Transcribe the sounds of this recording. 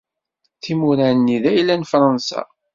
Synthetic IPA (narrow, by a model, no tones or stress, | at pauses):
θimuɾænːiðæjlːænfɾˤɑnsɑ̰